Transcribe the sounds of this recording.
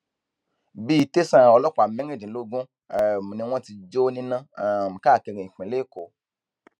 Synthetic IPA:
bi˦˧te˦sã˦˨ɔ˧lɔ˦k͡pa˨mɛ̃˦e˦˨d͡ʒĩ˨lo˦ɡũ˦ | ɛ˨mũ˨nĩ˧w̃ɔ̃˦ti˧d͡ʒo˦nĩ˦nã˦a˨m̩̃˨ka˦˨ke˧ɾĩ˨ĩ˨k͡pĩ˨le˦˨ko˨

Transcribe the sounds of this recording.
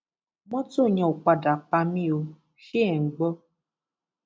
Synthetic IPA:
mɔ̃˦to˦˨ɲɔ̃˨o˨k͡pa˧da˨k͡pa˧mĩ˦o˧ | ʃe˦ɛ˨ŋ̩˨ɡ͡bɔ˦

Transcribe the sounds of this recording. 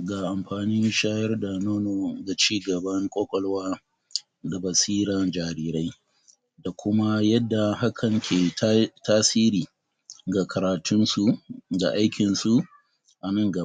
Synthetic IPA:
ɡaː˨ʔa˨mɸaː˨niː˦nʃaː˦jɐ˦rda˨noː˦no˨ɡa˨t͡ʃiː˦ɡɐ˨bɐ˦ŋkʷʼoː˦kʷʼɔ˨lwaː˦ | da˨bɐ˨siː˦ɾaː˨d͡ʒaː˨ɾiː˦ɾa˦j | da˨kʷʰʊ˦ma˦jɐ˦dːa˨ha˦kʰɐ˨ŋkʲʰeː˨tʰaː˦siː˦ɾiː˨ | ɡa˨kʰɐ˨ɾaː˨tʰʊ˦nsu˦ɡa̰˨ʔa˦jkʲɪ˨nsu˦ | ʔa˨nɐ˦ŋɡɐ˨

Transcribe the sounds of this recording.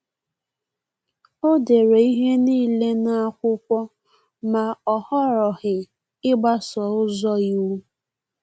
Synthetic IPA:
o˦de˨ɾe˨i˦ɦe˦niː˦le˦na˦a˦kʷʊ˦kʷɔ˦ | ma˨ɔ˨hɔ˦ɾɔ˨ɣɪ˨ | ɪ˦ɡ͡ba˦sɔ˨ʊ˦zɔ˦ju˦

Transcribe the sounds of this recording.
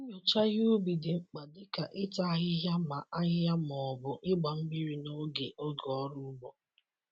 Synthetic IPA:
ɲʊ˨t͡ʃa˦ɣu˦bi˨dɪ˨ŋ͡m̩˨k͡pa˨dɪ˦ka˨ʔɪ˦ta˦a˦ɣɪ˦ɦja˦ma˨ʔa˦ɦɪ˦ja˦m˨ɔ˨bʊ˨ʔɪ˦ɡ͡ba˨m̩˦bi˦ɾi˨no˦ɡe˨ʔo˦ɡɔ˦ɾʊ˦bɔ˨

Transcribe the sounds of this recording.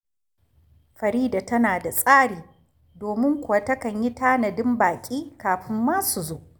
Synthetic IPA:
ɸɐ˨ɾiː˦da˨tɐ˦naː˨da˨sʼaː˦ɽiː˨ | doː˨mɪ˦ŋkʷʊ˨wa˦˨tɐ˦kɐ˨ɲji˦taː˦nɐ˨dɪ˦mbaː˨kʲʼiː˦kaː˨ɸɪ˦mːaː˦su˨zoː˦ʔ

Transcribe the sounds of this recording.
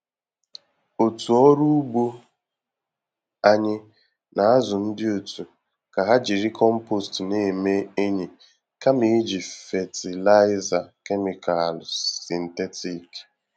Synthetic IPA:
o˨tu˨ɔ˦ɾu˦u˦bo˦ | a˦ɲɪ˦ | nʔa˨a˦zʊ˨n̩˦dɪ˦o˨tʰu˨ | ka˨ɦa˦d͡ʒi˨ɾi˦kʰɔ˦m̩˦po˦˨stne˦˨me˦e˦ɲe˨ | ka˦mi˦d͡ʒi˨fe˨ti˨la˦ɪ˦za˨ke˦mi˨kʰa˨lʊ˨si˨n̩˨te˦ti˨k

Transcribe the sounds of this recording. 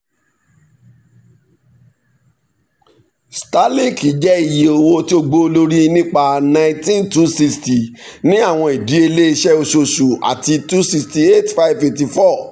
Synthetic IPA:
sta˦li˦˨ki˨˦d͡ʒɛ˦i˦˨je˨o˧wo˧ti˦o˧ɡ͡bo˦o˧lo˦ɾi˦nĩ˦k͡pa˧nã˧ĩ˦tĩ˦ntu˦si˧sti˨nĩ˦a˦˨w̃ɔ̃˧i˨di˨˦e˧le˦i˧ʃɛ˦o˧ʃo˧ʃu˨a̰˨ti˧tu˦si˧ksti˧e˦tfa˦i˦bfe˨fti˧fɔ˦˨

